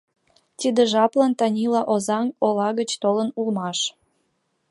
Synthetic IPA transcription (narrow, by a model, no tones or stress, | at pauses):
t̪id̪eʒɑplɑnt̪ɑnʲilɑʔozɑŋolɑɣət͡ɕt̪olənulmɑʃ